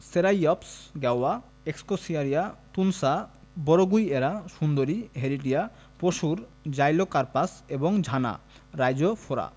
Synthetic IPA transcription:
seɾajɔpsɡɛwa | ekskosiaɾiat̪unsa | bɔɾoɡujeɾaʃund̪oɾiɦeɾiʈia | poʃuɾd͡ʑajlokaɾpaseboŋd͡ʑʱana̰ | ɾajd͡ʑofʰoɾa̰

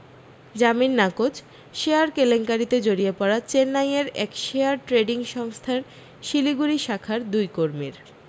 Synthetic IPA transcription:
d͡ʑaminːakot͡ɕ | ʃeaɾkeleŋkaɾit̪ed͡ʑoɾiepɔɾat͡ɕenːajeɾɛ̰kʃeaɾʈɾeɖiŋʃɔŋst̪ʰaɾ | ʃiliɡuɾiʃakʰaɾd̪ujkoɾmiɾ

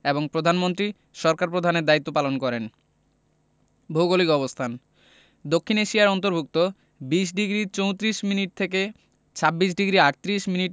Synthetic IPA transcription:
eboŋpɾod̪ʱanmont̪̬ɾi | ʃɔɾkaɾpɾod̪ʱaneɾd̪ait̪ːopalonkɔɾen | bʱowɡolikɔβost̪ʰan | d̪okʰːineʃijaɾɔnt̪oɾbʱuk̚t̪o | biʃ̬ɖiɡɾit͡ɕowt̪ɾiʃminiʈ̚t̪ʰeke | t͡ɕʰabːiʃ̬ɖiɡɾiaʈt̪ɾiʃminiʈ

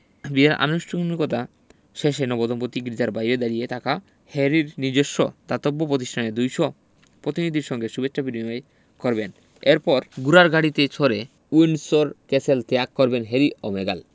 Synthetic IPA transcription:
biaɾʔa̰noʃʈʰoɡnikot̪a | ʃeʃenɔbod̪ompot̪ikɾid͡ʑaɾbajɾed̪aɾijet̪aka | heɾiɾniɾd͡ʑeʃːo̰t̪at̪obːopɾot̪iʃʈʰaneɾd̪ujʃɔ | pɾot̪inid̪ʱiɾʃɔŋɡeʃubet͡ɕːʃʰabinimae | koɾben | eɾpɔɾɡuɾaɾɡʱaɽit̪et͡ɕʰoɾe | ujnsoɾkeselt̪eakːɔɾbenɦeɾiʔo̰meɡa̰l

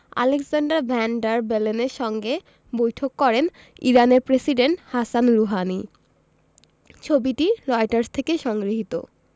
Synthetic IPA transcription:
a̰leksaɳɖaɾbʱɛɳɖaɾbeleneɾʃɔŋɡe | bojʈʰokːɔɾen | iɾaneɾpɾesiɖeɳʈhasanɾuɦani | t͡ɕʰobiʈilɔjʈaɾst̪ʰekeʃɔŋɡɾiɦit̪o̰

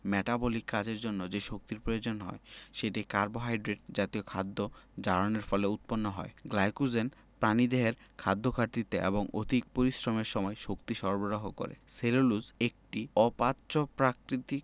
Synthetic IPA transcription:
mɛʈabolikːad͡ʑeɾd͡ʑonːod͡ʑeʃok̚t̪iɾpɾojod͡ʑonɦɔ̰eʃeʈikaɾboɦajɖɾeʈ̚d͡ʑat̪iokʰad̪ːod͡ʑaɾoneɾfɔleut̪̚ponːoɦɔ̰eɡlajkud͡ʑen | pɾanid̪eɦeɾkʰad̪ːokʰaɾt̪it̪eʔḛboŋo̰d̪ʱik̚poɾisɾomeɾʃɔmɔeʃokt̪iʃɔɾboɾoɦoko̰ɾḛseloluzek̚ʈiɔpatːɕopɾakɾit̪ik

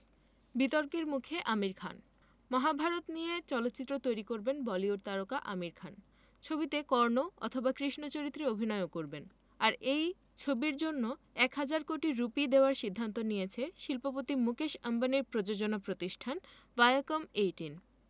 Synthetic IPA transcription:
bit̪oɾkeɾmukʰeʔamiɾkʰa̰n | mɔɦabʱaɾot̪nijet͡ɕɔlot̪ːɕit̪ːɾot̪ojɾikoɾbenbɔlioɾt̪aɾokaʔamiɾkʰan | t͡ɕʰobit̪ekɔɾnoɔ̰t̪ʰobakɾiʃnot͡ɕoɾit̪ːɾeobʱinɔeokoɾben | aɾej | t͡ɕʰobiɾd͡ʑonːoɛkɦad͡ʑaɾkoʈiɾupid̪eoaɾʃid̪ʱːant̪onijet͡ɕʰeʃilpopot̪imukeʃambaneɾpɾod͡ʑod͡ʑonapɾot̪iʃʈʰan | vajokomejʈin

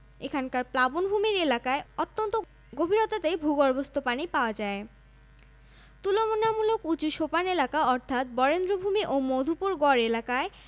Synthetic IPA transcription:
ekʰankaɾplabonbʱumiɾelakaeot̪ːont̪o | ɡobʱiɾot̪at̪ebʱuɡɔɾbost̪ʰopanipaoad͡ʑae | t̪ulomonamulokut͡ɕuʃopanelakaɔɾt̪ʰat̪̚bɔɾend̪ɾobʱumiʔomod̪ʱupuɾɡɔɾelakae

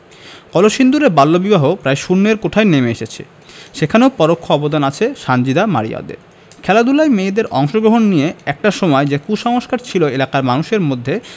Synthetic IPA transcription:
kɔloʃind̪uɾebalːobibaɦopɾaeʃunːeɾkoʈʰaenemeeʃet͡ɕʰḛ | ʃekʰaneopɔɾokʰːoɔbod̪anat͡ɕʰeʃand͡ʑid̪ama̰ɾḭja̰d̪ḛɾ | kʰɛlad̪ulajmeed̪eɾɔŋʃoɡɾoɦonːijeɛk̚ʈaʃɔmɔed͡ʑekuʃɔŋoʃkaɾt͡ɕʰiloelakaɾmanuʃeɾmod̪ʱːe

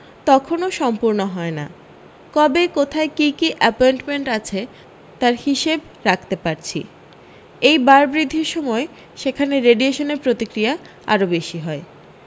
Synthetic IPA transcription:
t̪ɔkʰonoʃɔmpuɾnoɦɔena̰ | kɔbekot̪ʰaekikiʔɛpoenʈmeɳʈat͡ɕʰe | t̪aɾhiʃeb | ɾakʰt̪epaɾt͡ɕʰḭ | ejbaɾbɾid̪ʱːiɾʃɔmɔe | ʃekʰaneɾeɖieʃoneɾpɾot̪ikɾia | a̰ɾobeʃiɦɔe

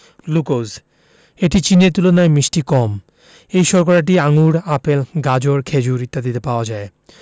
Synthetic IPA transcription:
lukoz | eʈit͡ɕineɾt̪ulonaemiʃʈikɔm | ejʃɔɾkoɾaʈ̬iaŋuɾapelɡad͡ʑoɾkʰed͡ʑuɾit̪ːad̪it̪epaoad͡ʑae

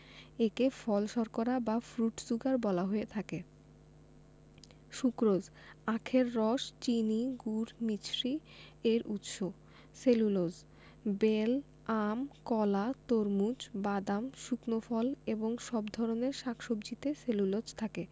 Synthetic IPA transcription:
ekefʰɔlʃɔɾkoɾabafɾuʈsuɡaɾbɔlaɦoet̪ʰake | ʃukɾod͡ʑ | akʰeɾːɔʃt͡ɕiniɡuɾmit͡ɕɾieɾʔut̪ʃo | selulod͡ʑ | bel | amkɔlat̪oɾmud͡ʑbad̪amʃuknofɔleboŋʃɔbd̪ʱɔɾoneɾʃakʰʃobd͡ʑit̪eselulod͡ʑt̪ʰake

